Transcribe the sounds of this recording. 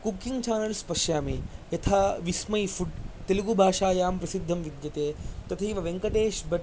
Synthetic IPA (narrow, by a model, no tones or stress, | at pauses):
kukːiŋɡt͡ʃaːnɐlspɐʂjaːmejɐt̪ʰaːʋismɐjfuɖt̪iluɡubʱaːʂaːjaːmpɾɐsid̪ʱːɐmʋid̪jɐt̪eːt̪ɐt̪ʰɐiʋɐʋeŋkɐʈ̪eːʃbɐʈ